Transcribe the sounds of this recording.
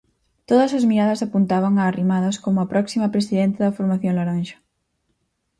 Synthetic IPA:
t̪oðɐsɐzmiɾaðɐsapunt̪aβ̞ɐŋɐːrimaðɐskomuɐpɾɔksimɐpɾesiðent̪eðɐfoɾmaθjoŋlaɾanʃɐ̥

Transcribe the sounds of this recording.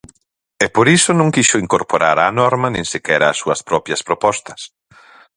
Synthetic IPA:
ɛpoɾisonõŋkiʃoiŋkoɾpoɾaɾanɔɾmɐnẽŋsɪkɛɾɐːsːuɐspɾɔpjɐspɾopɔst̪ɐ̥s

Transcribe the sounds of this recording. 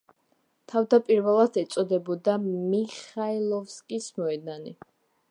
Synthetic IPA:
t̪ʰavd̪apʼiɾvɛlˠat̪ʰɛt̪sʼɔd̪ɛbɔd̪amiχailˠɔfskʼismɔɛd̪ani

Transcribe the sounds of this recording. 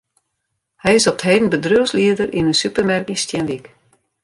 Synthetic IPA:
hɛjɪsɔpətɦeːdən̩bədrøwsliədərʔinənsypərmɛrkəstjɛnʋik

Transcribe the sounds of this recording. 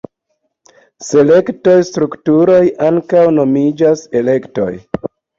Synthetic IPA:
se̞le̞kto̞jstɾuktuɾo̞jaŋkawno̞mid͡ʒase̞le̞kto̞̰j

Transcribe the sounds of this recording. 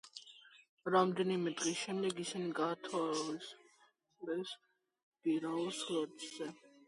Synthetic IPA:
ɾamd̪ɛnimɛd̪ʼʁʼisʃɛmd̪ɛɡisiniɡat̪ʰasʼ | lɛs | b̥iɾauslɔɾtʼz̥ɛ

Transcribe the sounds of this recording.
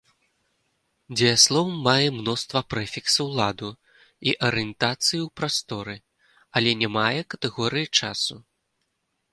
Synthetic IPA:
d͡zʲɛjaslˠɔwːajɛmnɔst̪vɐpɾɛfʲiksɐwlˠad̪u | iʔɐɾɨjɛnt̪at̪sɨjiwpɾast̪ɔɾɨ | ɐlʲɛnʲɛmajɛkɐt̪ɛɣɔɾɨjit͡ʂasu

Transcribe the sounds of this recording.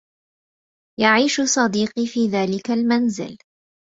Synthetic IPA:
jaʕiːʃʊsˤɑd̪iːqifiːðaːlɪkalmanzɪ̰l

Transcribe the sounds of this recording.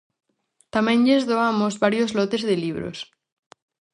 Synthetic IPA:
t̪amẽnʎezðoamozβaɾjozlot̪ezðeliβɾo̰s

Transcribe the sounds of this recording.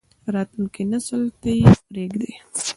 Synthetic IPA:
pəɾɑt̪lunkenasəlt̪əjpɾeɡd̪e

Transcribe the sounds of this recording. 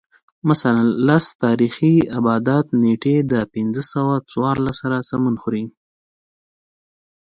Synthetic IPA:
masalanlast̪ɑɾixiabɑd̪at̪̚neʈed̪əpɪnd͡zəsawat͡swɑɾlasaɾasamanxuɾi

